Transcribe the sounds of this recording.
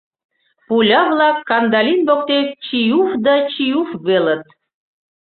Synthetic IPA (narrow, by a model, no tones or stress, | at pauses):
pulʲɑβlˠɑkːɑnd̪ɑlinbok̚t̪ett͡ɕijufd̪ɑt͡ɕijufβelə̆t̪̚